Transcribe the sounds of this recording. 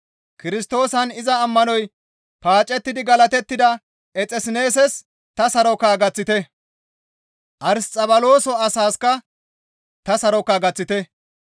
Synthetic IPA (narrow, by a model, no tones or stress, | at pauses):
kɪɾɪst̪o̞ːsɐnɪzɐːmːɐnɔj | paːt͡ʃʼːɛt̪ːɪd̪ɪɡɐlɐt̪ɛt̪ːɪd̪ɐ | ʔɛt͡sʼɛsɪne̞ːsɛs | t̪ɐsɐɾɔkaːɡɐt͡sːɪt̪ɛ | ʔɐɾst͡sʼɐbɐlo̞ːsɔɐsaːskɐ | t̪ɐsɐɾɔkːaɡɐt͡sːɪt̪ɛ